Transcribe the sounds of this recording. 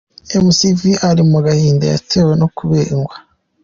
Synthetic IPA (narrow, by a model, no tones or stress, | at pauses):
emusiviʔaɾimuɡahiːndaja̰teːweno̞kuβeːŋɡwa